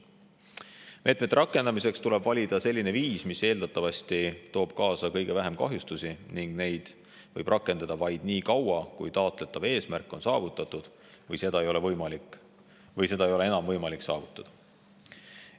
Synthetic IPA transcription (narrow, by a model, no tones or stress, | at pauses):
mʔe̞ːt̪ˑmet̪ːɾɑkːˑe̞nd̪ɑmise̞kst̪ule̞b̥vɑlʲid̪̥ɑse̞lʲːine̞viːsmise̞ːld̪̥ɑt̪ːˑɑvɑsʲt̪it̪o̞ːb̥̚kɑːsɑkɤjɡ̥e̞væɦe̞mkɑ̰ɦjust̪usiniŋɡ̥ne̞jd̪̥ | vɤjb̥rʔɑkːˑe̞nd̪ɑd̪̥ɑvɑjd̪̥niːkɑwɑkujt̪ɑːt̪ˑle̞t̪ːˑɑve̞ːsmærkˑːo̞nsɑ̰ːvut̪ːˑɑt̪ːˑud̪̥ | vɤjse̞d̪ɑejo̞levɤjmɑlik | vɤjse̞d̪̥ɑejo̞leenɑmvɤjmɑlikːsɑ̰ːvut̪ːˑɑd̪̥ɑ